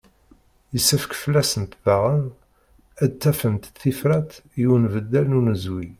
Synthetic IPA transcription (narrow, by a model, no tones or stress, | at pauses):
jəsːəfəkfəlːæsənt̪baʁən | æd̪̚t͡s̪ːæfənt̪θːifɾæt̪juwnvəd̪ːælnunəzwi